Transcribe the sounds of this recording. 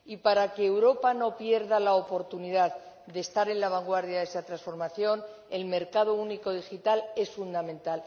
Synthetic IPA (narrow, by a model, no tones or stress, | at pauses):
ipaɾakeːwɾo̞pano̞pje̞ɾðalaopo̞ɾt̪uniðað | d̪e̞st̪aɾe̞nlaβ̞aŋɡwaɾðjaðesat̪ɾasfo̞ɾmaθjo̞n | e̞lme̞ɾkað̞ouniko̞ð̞ixit̪ale̞sfund̪amẽ̞nt̪al